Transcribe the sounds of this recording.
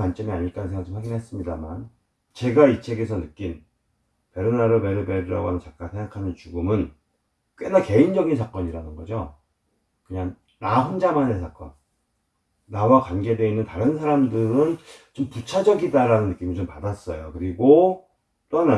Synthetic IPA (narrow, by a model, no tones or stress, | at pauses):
want͡ɕ͈ʌmiaɲiɭk͈annsʰeŋɡaɯt͡ɕomɸwaɡinɦes͈ɯmɲidama̰n | t͡ɕe̞ɡait͡ɕʰe̞ɡe̞s̬ʰʌnɯk͈in | pe̞ɾɯnaɾɯme̞ɾɯbe̞ɾiɾa̰ɡoɦamjnt͡ɕak̚k͈asʰe̞ŋɡakʰanɯnt͡ɕuɡɯmɯn | k͈enake̞ind͡ʑʌɡinsʰak͈ʌɲiɾanɯnɡʌd͡ʑo | kɯɲaŋː | aɸond͡ʑamanesʰak͈ʌ̰n | awakwanɡe̞dwe̞inːɯntaɾɯnsʰaɾamdɯɾɯnt͡ɕomput͡ɕʰad͡ʑʌɡidaɾanɯnːɯk͈imit͡ɕompadas͈ʌjokɯɾiɡo | t͈oɦana